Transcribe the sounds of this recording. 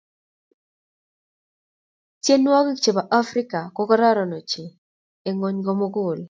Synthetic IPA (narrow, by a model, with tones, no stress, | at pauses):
tje˦nwɔ˦ki˦kt͡ʃe˨ba˨ʔa˦fɾi˦ka˨ko˦kɔ˦ɾɔ˦ɾɔ˨no˨t͡ʃe˨ | e˨ŋo˦ɲɡɔ˦mo˦ɡʊ˨l